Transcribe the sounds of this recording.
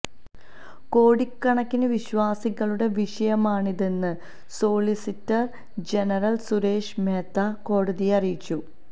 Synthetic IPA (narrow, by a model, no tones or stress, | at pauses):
ko̞ːɽikːɐɳɐkːinɨʋiɕʋaːsiɣɐɭuɽe̞ʋiʂɐjɐmaːɳiðe̞nːɨ | so̞ːɭisitːɐr | d͡ʑe̞nɐrɐlsuɾe̞ːʂme̞ːt̪ːako̞ːɽɐðijɐrijit͡ɕːu